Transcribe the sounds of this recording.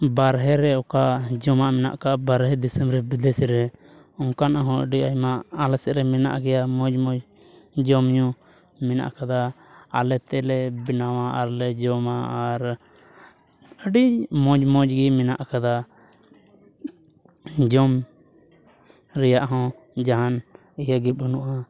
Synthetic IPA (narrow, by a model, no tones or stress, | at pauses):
baɾɦɛɾɛɔkad͡ʒɔmaʔmɛna̰ʔkaʔbaɾɦɛd̪isəmɾɛbid̪ɛsɾɛ | ɔŋkanʔaɦɔ̃ə̰ɖiajmaʔalɛsɛʔɾɛmɛna̰ʔɡɛjamɔ̃d͡ʒmɔ̃d͡ʒ | d͡ʒɔmɲũ | mɛna̰ʔkad̪aː | lɛt̪ɛlɛbinawaʔaɾlɛd͡ʒɔmaaɾ | əɖimɔ̃d͡ʒmɔ̃d͡ʒɡimɛna̰ʔkad̪a | d͡ʒɔm | ɾɛjaʔɦɔ̃ | d͡ʒaɦan | ijaɡip̚ɦənuʔa